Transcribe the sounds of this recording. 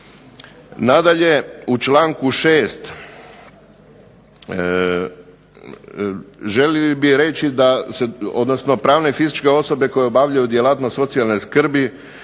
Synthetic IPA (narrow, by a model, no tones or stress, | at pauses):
nad̪aʎe̞ut͡ʃlaːŋkuʃe̞ːst̪ | ʒe̞lilbiɾe̞t͡ʃid̪aseo̞̰d̪no̞sno̞pɾaːʋne̞fizit͡ʃke̞o̞so̞be̞ko̞jeobaʋʎajud̪jelˠat̪noso̞t̪sialˠno̞jskr̩bi